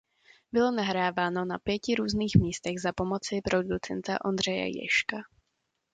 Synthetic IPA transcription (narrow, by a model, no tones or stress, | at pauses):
bɪlo̞naɦɾaːvaːno̞napjɛcɪɾuːzniːxmiːst̪ɛɣzapo̞mo̞t͡sɪpɾo̞dut͡sɛnt̪a̰ʔo̞nd̪r̝ɛjɛ̰jɛ̰ʃka